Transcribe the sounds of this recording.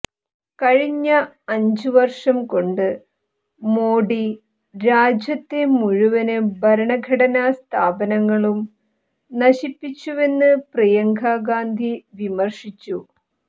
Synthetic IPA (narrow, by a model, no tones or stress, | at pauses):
kɐɻiɲːɐ | ɐɲd͡ʑuʋɐrʂɐmko̞ɳɖɨ | moːɽi | ɾaːd͡ʑjɐt̪ːemuɻuʋɐnɨbʱɐɾɐɳɐɡʱɐɽɐnaːst̪ʰaːbɐnɐŋːɐɭum | nɐɕipːit͡ɕːuʋe̞nːɨprɐjɐŋɡʱaːɡaːnd̪ʱiʋimɐrʂit͡ɕːu